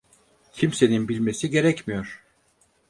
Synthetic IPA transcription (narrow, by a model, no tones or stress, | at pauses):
cʰimse̞ninbilʲme̞siɟe̞ɾɛcmijoɾ̥